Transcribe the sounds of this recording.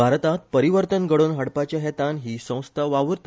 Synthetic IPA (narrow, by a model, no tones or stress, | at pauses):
bʱaɾt̪at̪̚pəɾiʋəɾt̪ənɡəɽoːnɦəɽpat͡ɕjaɦɛt̪anɦiːsə̃w̃st̪ʰaʋaʋəɾt̪